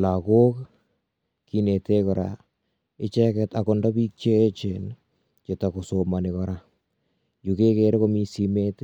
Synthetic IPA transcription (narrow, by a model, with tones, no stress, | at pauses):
la˨ko˦k | ki˨ne˨te˦kɔ˨ɾa̰˨ | ɪ˦t͡ʃɛ˦kɛta˨kɔ˨ndɔ˦bi˦k̚t͡ʃeː˦t͡ʃe˨n | t͡ʃe˨ta˨ko˨soma˨nɪ˨kɔ˨ɾa˨ | ju˨ke˦ke˨ɾe˦ko˦mi˦si˨me˦t